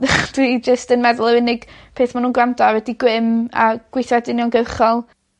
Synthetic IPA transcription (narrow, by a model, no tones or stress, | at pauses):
d̥wid͡ʒəstənmɛðʊlˠəwɪnɪɡ̥ | pʰeːθmanuːnɡwamdɔawɛdiɡwɪma̰ɡ̥wɪjθadɪnjɔnɡəwχɔlˠ